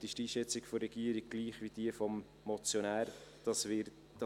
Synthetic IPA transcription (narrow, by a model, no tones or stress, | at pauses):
tɪʃtiːʃɛt͡sɪɡ̥fɔrɾɛɡ̥iəɾiɡ̥̚ɡ̥liːχʋid̥iəfɔmː | ɔt͡sjonæːɾd̥ɑsvɪɾ | d̥